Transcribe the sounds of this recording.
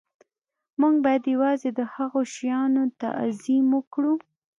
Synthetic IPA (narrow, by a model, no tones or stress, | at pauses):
muŋɡ̚bɑjad̪jawɑzed̪əhaɣoʃjɑnot̪a̰ʔzimwəkɽu